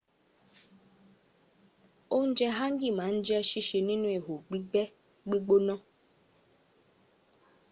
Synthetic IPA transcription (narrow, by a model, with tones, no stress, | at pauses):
o˦n̩˦d͡ʒɛ˦ɦã˦ŋ̩˦ɡi˦˨mã˨˦n̩˦d͡ʒi˦ɛ˦ʃi˦ʃe˨nĩ˦nũ˦e˨ɦo˨ɡ͡bi˦ɛ˦ | ɡ͡bi˦ɡ͡bo˦nɔ̃˦